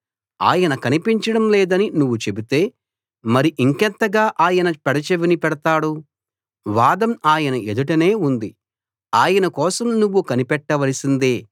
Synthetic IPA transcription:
a̰ːjɐnɐkɐnipiɲt͡ʃɐɽɐmlɛːd̪ɐninuʋːut͡ʃe̞bit̪e̞ː | mɐɾiʔiŋkɛnt̪ɐɡaːʔaːjɐnɐpɛɽɐt͡ʃeʋinipɛɽɐt̪aːɽu | ʋaːd̪ɐmaːjɐnɐed̪uʈɐne̞ːund̪i | aːjɐnɐkɔːsɐmnuʋːukɐnipɛʈːɐʋɐlɐsind̪eː

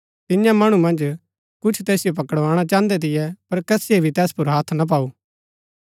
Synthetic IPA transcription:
t̪ɪjãmɐɽ̃ũmɐ̃nd͡ʒ | kʊt͡ʃʰt̪ɛːsɪjop̬ɐkəɽʋaːɽ̃at͡ʃãːnd̪ɛt̪̬ɪjɛpɐɾkɛːsiebʱit̪ɛːspʊɾɦaːt̪ʰnap̬aːuː

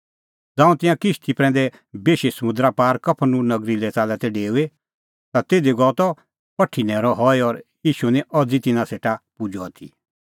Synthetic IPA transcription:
d͡zãːũt̪ɪ̃jãkɪʃt̪ʰipɾɛ̃ːnd̪ɛ | beːʃesɐmʊ̃nd̪ɾapaːɾkɐpʰnũnɐɡɾilɛt͡saːlɛt̪ɛɖeːue | t̪at̪eːd̪eɡɔt̪ɔ | pɐʈʰːinɛ̃ːɾɔɦɔɛɔɾjiːʃunɛ̃ʔɔd͡zit̪ɪnãseːʈapʊd͡ʒɔat̪ʰḭ

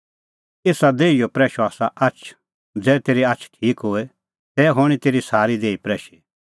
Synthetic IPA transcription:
eːsad̪eːijopɾɛːʃoaːsaʔɐt͡ʃʰ | d͡zɛːt̪eːɾiatːt͡ʃʰʈʰiːkɦʊɛ | t̪ɛːɦoːɽ̃it̪eːɾisaːɾid̪eːipɾɛːʃi

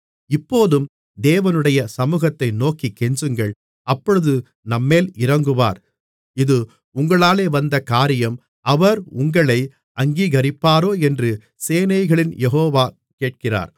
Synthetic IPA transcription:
ɪpːoːðɯm | d̪eːʋɐnɯɽɐjɐsɐmuːɣɐt̪ːɐɪnoːkikːɛɲd͡ʒɯŋɡɐɭ | ɐpːɔɻɯðɯ | nɐmːeːlɪɾɐŋɡɯʋa̰ːɾ | ɪðɯ | ʊŋɡɐɭaːleːʋɐnd̪ɐkaːɾɪjɐm | ɐʋɐɾʊŋɡɐɭɐɪ | ʔɐŋɡiːɣɐɾɪpːaːɾoːɛndrɯ | seːnɐɪɣɐɭɪnjɛɦoːʋaː | keːʈ̚kɪra̰ːɾ

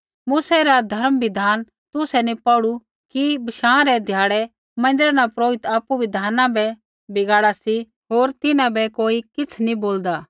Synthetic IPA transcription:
muːsɛɾad̪ʱɐɾmbɪd̪ʱaːn | t̪ʊsɛnipɔɽu | kibɐʃãːɾɛd̪ʱjaːɽɛ | mɐ̃nd̪ɪɾnapɾoːɪt̪aːpuʋɪd̪ʱaːnãbɛ | bɪɡaːɽasi | ɦoːɾt̪ɪnãbɛkoːikɪt͡sʰnĩboːld̪aː

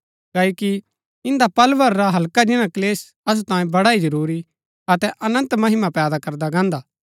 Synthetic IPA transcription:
kɐːoki | ɪ̃nd̪apɐlʋəɾːaɦɐlkad͡ʒɪñãkɐleːs | ɐs̬ut̪ãːjẽbɐɽaid͡ʒɐɾuːɾi | ɐt̪ɛʔɐnə̃nt̪mɐɦɪmapɛːd̪akɐɾd̪aɡãːnd̪aː

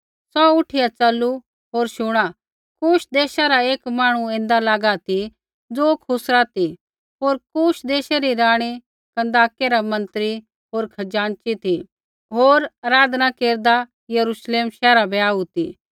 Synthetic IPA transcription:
sɔʊʈʰɪjat͡sɐlu | ɦoːɾʃʊɽ̃a | kuːʃd̪eːʃaɾaeːkmaːɽ̃ũẽːnd̪alaːɡat̪ʰi | d͡zoːkʰʊsɾat̪i | ɦoːɾkuːʃd̪eːʃaɾiɾaːɽ̃i | kɐ̃nd̪aːkeɾamɐ̃nt̪ɾi | ɦoːɾkʰɐd͡ʒaːnt͡ʃit̪ʰi | ɦoːɾaɾaːd̪nakeːɾd̪a | jɐɾuʃleːmʃɛːɾabɛaːut̪i

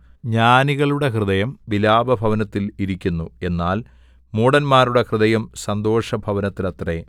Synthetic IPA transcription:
ɲaːniɣɐɭuɽe̞krɨðɐjɐmʋilaːbɐbʱɐʋɐnɐt̪ːiliɾikʲːunːue̞nːaːl | muːɽɐnmaːɾuɽe̞krɨðɐjɐmsɐnd̪o̞ːʂɐbʱɐʋɐnɐt̪ːilɐt̪re

